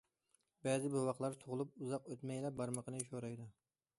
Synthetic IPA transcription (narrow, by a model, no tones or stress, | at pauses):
bɛzɪbowɑqlˠɑɾt̪ʰoʁlˠup̚uzɑqøt̪mɛjlɛp̚bɑɾməqʰənɨʃ̬oɾɑjd̪u